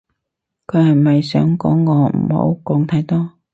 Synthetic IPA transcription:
kʰɵ˨˧ɥhɐ˨˩jmɐ˨jsœ̰ː˨˥ŋkɔ̰ː˨˥ŋːɔː˨˧m̩̰˨˩ho̰˨˧wkɔː˧ŋt̪ʰɐ˨˧˥jt̪ɔː˥

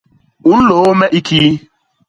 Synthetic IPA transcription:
ʊ˦n̩˦lo˨o˦me˦ʔi˦kʰi˦

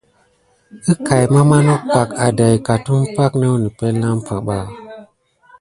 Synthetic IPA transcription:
ɨ˦ka˨jma˦ma˦no˦pa˨ka˨da˨jka˨tu˦mpa˦kne˦ni˨pɛ˦lːa˦mpa˨ɓa˦˨

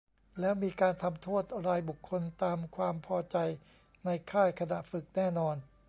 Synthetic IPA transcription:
lɛː˦˥wmiː˧kaː˧nt̪ʰa˧mt̪ʰoː˥˩t̪̚ɾaː˧jbu˨˩kʰːo˧nt̪aː˧mkʰwaː˧mpʰɔː˧t͡ɕa˧j | na˧jkʰaː˥˩jkʰa˧na˨˩ʔfɯ˨˩k̚nɛː˥˩nɔː˧n

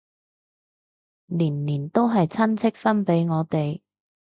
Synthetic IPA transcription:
liː˨˩nliː˨˩nt̪o˥wɦɐ˨jt͡sʰɐ˥nt͡sʰɪ˥k̚fɐ˥npe˨˥jŋɔː˨˧t̪e˨j

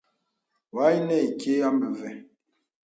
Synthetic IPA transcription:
wa˨˦i˦nɛ˦˨i˨ke˦a˦mə˨vɛ˨

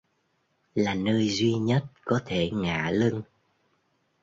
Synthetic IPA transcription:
laː˨˩nəː˧jzwi˧ɲə˦˥t̚kɔ˨˦t̪ʰe˧˩ŋa̰ː˧˨lɨ˧ŋ

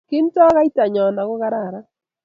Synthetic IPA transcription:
kɪ˦n̩˦tɔ˦ɣa˦i˦ta˨ɲɔ˨na˨ɣʊ˦ɣa˦ɾa˦˨ɾa˦

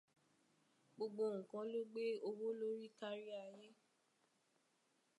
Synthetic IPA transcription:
ɡ͡bo˧ɡ͡bo˧ŋ̩̃˨kã˨˧lo˦ɡ͡be˦o˧wo˦lo˦ɾi˦ka˦ɾi˦a˧˨je˦

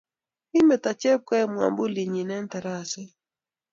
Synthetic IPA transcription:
hi˦mɛ˨ta˨t͡ʃɛ˦p̚kɛ˦˨mwa̰˨mbu˦li˨ɲi˨nɛ˦n˦ta˨ɾa˦sɛ˦

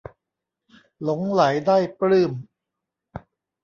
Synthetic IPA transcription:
lo˩˦ŋla˩˦jdaː˥˩jplɯː˥˩m

